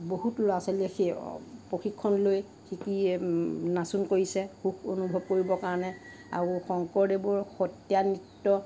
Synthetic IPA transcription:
boɦutloaseliɛxepɹoxʰikʰːɔnloj | xiki | nasunkoɹisɛxuxonubʱɔb̚koɹibɔkaɹɔnɛ | a̰ɹuxɔŋkɔɹdebʊɹxɔtjanitːɔ

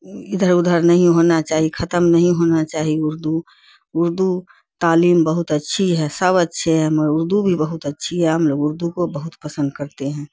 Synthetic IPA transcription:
ɪd̪ʱəɾʊd̪ʱəɾnɐɦĩɦoːnat͡ʃaːɦikʰɐt̪əmnəɦĩɦoːnat͡ʃaːɦiʊɾd̪u | ʊɾd̪u | t̪aːliːmbəɦʊt̪ətːʃʰiɦɛsəβətːʃʰeɦɛməɾʊɾd̪ubʱibəɦʊt̪ətːʃʰiɦɛɦɐmloːɡʊɾd̪ukobəɦʊt̪pəsə̃nd̪kəɾt̪eɦɛ̃ː

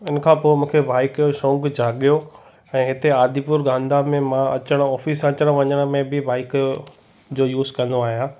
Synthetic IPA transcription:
ɪnəkʰãːpoːmũːkʰebaːɪkjoʃõːŋɡd͡ʑʱaːɠijo | ɛ̃ːɦɪt̪eaːd̪ʱipʊɾɡãːnd̪amẽmãɐt͡ɕəɽ̃ɔːfiːsɐt͡ɕəɽ̃ʋɐɲəɽ̃̆mẽbɪbaːɪk | d͡ʑoːjuːzkɐ̃n̆d̪oaːɦijãː

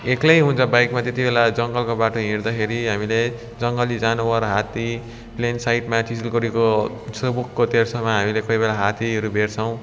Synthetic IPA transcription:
eklejɦũnt͡sʰʌbajkmat̪et̪ibelad͡zʌŋɡʌlkobaʈoɦĩɾd̪ʌkʰeɾiɦamile | d͡zʌŋɡʌlid͡zanubʌɾʌɦat̪i | plensajʈmaʈisilkʌɾiko | srʌbukːot̪ersʰʌmaɦamilekʌibelaɦat̪iʌɾubʱert͡sʰʌw̃

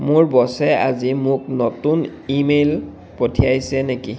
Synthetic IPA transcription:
mʊɹbɔsɛa̰zimʊknotun | imel | potʰiajsɛneki

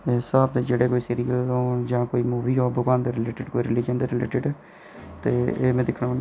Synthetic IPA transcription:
esaːbd̪eːd͡ʒeːɽeːkoːiːsiːɾijəloːd͡ʒãːkoːiːmuːʋɾiːoːbʊkãːnd̪eːɾɪleːʈɪɖkoːiːɾɪlɪːd͡ʒənd̪eːɾɪlḛːʈɪɖ | t̪eːeːmɛ̃ːd̪ɪkʰnan

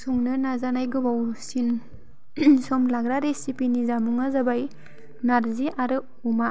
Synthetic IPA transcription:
sɔŋnɯnazanajɡɯbawsin | sɔmlaɡɾaɾesipinizamuŋazabaj | naɾziʔaɾɯ | uma

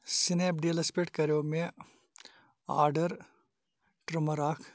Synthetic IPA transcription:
sɪneːp̚ɖeːlɐspeːʈkɐɾjoːmẽ | a̰ːɾɖəɾ | ʈɾɐmɐɾaːkʰ

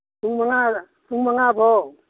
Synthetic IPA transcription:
puŋmaŋa | pʰuŋmaŋabʱo

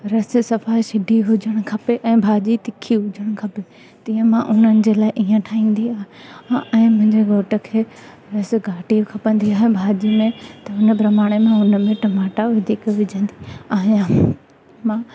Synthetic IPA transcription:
ɾɐsɪ̆sɐfaːiʃɪɖʱiɦʊd͡ʑʱəɽ̃ʊ̆kʰɐpeʔɛ̃ːbʱaːd͡ʑit̪ɪkʰiɦʊd͡ʑʱəɽ̃ʊkʰɐpe | t̪ĩːə̃mãʔʊn̤ənɪ̆d͡ʑeːlaːɪʔiːə̃ʈʰaːɦĩːn̆d̪iaːɦeɛ̃ːmʊ̃ɦɪ̃ɲd͡ʑeɡoːʈə̆kʰeː | ɾɐsɪ̆ɡaːʈikʰɐpə̃nd̪iaːɦebʱaːd͡ʑimẽt̪ɐʊnə̆pɾɐmaːɽ̃emẽʊnəmẽʈɐmaːʈaʋɐd̪ʱikʋɪd͡ʑʱə̃nd̪iaːɦjã | mãː

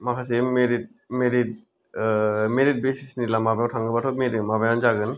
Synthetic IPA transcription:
makʰasemeɾit̚ | meɾit̚ | meɾit̚besisnilamabajawtʰaŋɡɯbatʰɔmeɾimabajanzaɡɯn

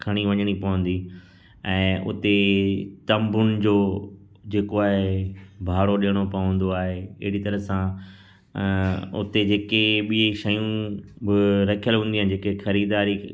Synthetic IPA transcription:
kʰɐɽ̃iʋɐ̃ɲəɽ̃ipɐʋə̃nd̪i | ɛ̃ːʔʊ̰t̪et̪ɐ̃mbʊnɪ̆d͡ʑoː | d͡ʑeːkoaːɦebʱaːɽoɗɪəɽ̃opɐʋə̃n̆d̪oaːɦeɪ̰ɦɪɽit̪ɐɾəsã | ʊ̰t̪ed͡ʑeːkeɓiiʃɐjũbɪɾɐkʰijəlɦũːn̆d̪iaːɪnɪ̃̆d͡ʑeːkexɐɾiːd̪aːɾi

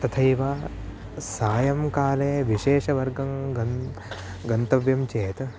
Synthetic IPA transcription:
t̪ɐt̪ʰɐjʋaː | saːjɐmkaːleːʋiʃeːʃɐʋɐɾɡɐmɡɐ | ɡɐnt̪ɐʋjɐmt͡ʃeːt̪ɐ

